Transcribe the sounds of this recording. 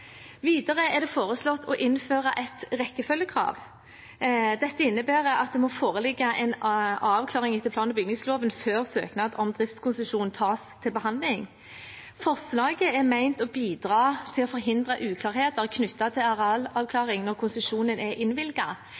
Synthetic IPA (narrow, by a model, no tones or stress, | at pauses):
ʋiːd̪ɑʁəɛʁd̪ɛfoːʁəslɔt̪ʰːɔʔɪnføːʁɑʔɛt̪ʁɛkːəfœljəkʰʁɑ̰ːʋ | d̪ɛt̪ːəɪnːəbæːʁəɑt̪̚d̪ɛmɔfoːʁəlɪɡːɑʔɛɪnɑːʋkʰlɑːʁɪŋɪt̪ɪpʰlɑːnəbʏɡnɪŋsloːʋənføːʁsø̰ːknɑd̪ɔmd̪ʁɪft̪skʰʊnsəʂuːnnt̪ʰɑːst̪ʰɪlbəɦɑnd̪lɪŋ | fɔʁslɑːɡəɛʁmæɪnt̪ɔbiːd̪ʁɑːt̪ʰɪlɔfɔʁɦɪnd̪ʁɑʔʉːkʰlɑːʁheːt̪əʁkʰnʏt̪ːɑt̪ʰɪlɑʁɑlɑʋkʰlɑːʁɪŋnɔʁkʰʊnsəʃuːnənɛʔɪnʋɪlɡɑ